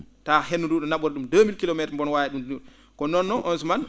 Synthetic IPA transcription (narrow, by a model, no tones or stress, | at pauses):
tahenːunduɗɔnaɓɔɾɗumdomilkilomɛtmbɔnwajɛɗumd | kɔnɔnːɔʔɔnsuman